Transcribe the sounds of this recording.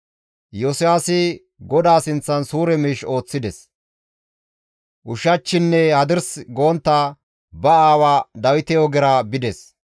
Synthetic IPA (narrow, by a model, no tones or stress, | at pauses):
josɪjaːsɪ | ɡɔd̪aːsɪnt͡sːɐnsuːɾɛmiːʃo̞ːt͡sːɪd̪ɛs | ʔʊʃɐt͡ʃːɪnːɛhɐd̪ɪɾsɡo̞ːnt̪ːaː | bɐaːwaːd̪ɐwɪt̪ɛjɔɡɛɾabɪd̪ɛs